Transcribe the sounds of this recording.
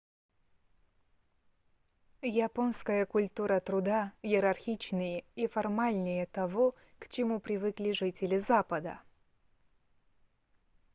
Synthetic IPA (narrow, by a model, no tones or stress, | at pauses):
japonskəjəkʊlʲt̪uɾət̪ɾʊd̪ajɪɾɐrxʲit͡ɕnɨjəifɐrmalʲnʲɪjət̪ɐvoɔ | kt͡ɕɪmupɾʲɪvɨklʲɪʐɨtʲɪlʲɪzapəd̪ə̰